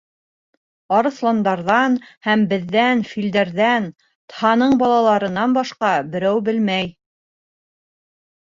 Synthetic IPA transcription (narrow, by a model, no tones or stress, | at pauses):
ɑɾɤ̆θlˠɑnd̪ɑɾðɑnhæmbɘ̆ðːænfild̪æɾðæn | t̪hɑnɤɴbɑlˠɑlˠɑɾɤ̆nːɑnbɑʃqɑbɘ̆ɾæwbɘlmæj